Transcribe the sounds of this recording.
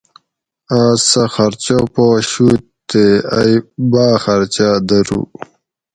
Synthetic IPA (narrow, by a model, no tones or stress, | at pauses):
aːsaxɐɾt͡ɕopoɕut̪t̪ea̰jbaːxɐɾt͡ɕad̪ɐɾṵː